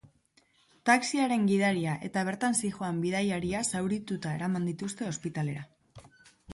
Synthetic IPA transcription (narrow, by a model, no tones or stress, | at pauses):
t̪aksiaɾe̞ŋɡið̞aɾiaʔe̞t̪aβ̞e̞ɾt̪ansiʝoambiðajaɾiasawɾit̪ut̪ae̞ɾamand̪it̪ust̪e̞o̞spit̪ale̞ɾa